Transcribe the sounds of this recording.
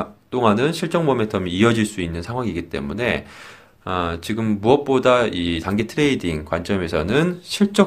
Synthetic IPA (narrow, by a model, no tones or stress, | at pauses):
t͈oŋanɯnɕʰiɭt͡ɕ͈ʌŋmbʌmetʰʌmiʌd͡ʑiɭs͈uinːɯnsʰaŋɦwaŋiɡit͈e̞̰mune̞ | ʌt͡ɕiɡɯmːuʌp̚p͈odaitaŋɡetʰɯɾe̞idiŋkwant͡ɕ͈ʌme̞sʰʌnɯnɕʰiɭt͡ɕ͈ʌ